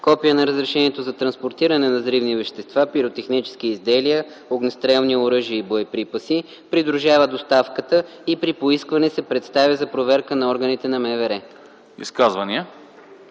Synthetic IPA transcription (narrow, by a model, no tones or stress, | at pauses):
kɔpijənɐɾəzɾɛʃɛniɛt̪ozɐt̪ɾɐnspoɾt̪iɾənɛnɐzɾivnivɛʃt̪ɛst̪vapiɾot̪ɛxnit͡ʃɛ̥sk̟iizd̪ɛlijə | oɡnɛst̪ɾɛlˠnioɾɤʒiəiboɛpɾipəsi | pɾid̪ɾuʒavəd̪ost̪afkət̪ə | ipɾipoiskvɐnɛsɛpɾɛt̪st̪avʲəzɐpɾovɛɾkənɐɔɾɡənit̪ɛnɐmɛvɛɾɛ | ḭskazvɐniə